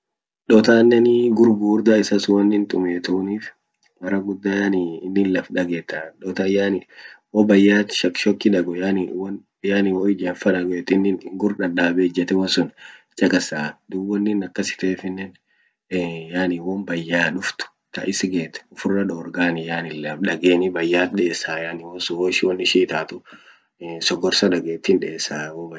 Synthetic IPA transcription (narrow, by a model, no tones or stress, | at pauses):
ᶑɔt̪aːnːɛnɡʊɾɡuːɾd̪aːɪsɐsʊwɐnːɪnt̪ʼʊmeːt̪uːniːf | mɐɾɐɡʊd̪ːaaniɪnːɪnlɐfᶑɐɡeːt̪ːaᶑɔt̪ajanwɔbɐjːaːt̪ʃɐkʃɔkːɪᶑɐɡɔjanwn | jaːnɪwoɪd͡ʒeːnfɐᶑɐɡɔɛt̪ɪnːɪnɡʊɾᶑɐɗaːbeːd͡ʒɛt̪ɛwɐsʊn | t͡ʃʼɐkʼɐsaːd̪uwːɔnːɪnɐkːɐsɪ̥t̪eːfɪnːɛn | jaːnɪwɔmbɐjːaːᶑʊft̪ʊ̥ | t̪ɐ̰ʔɪsɪɡeːt̪ɛ̥ʊfʊrːɐᶑɔːɾɡaːnɪjaːnɪlːɛᶑɐɡeːnɪbɐjːaːɗeːsaːjaːnɪwɔsʊwɔɪʃwɔnːɪʃiːt̪aːt̪ʊ | sɔɡɔɾsɐd̪ɐɡeːt̪ːiːnᶑeːsːaːwob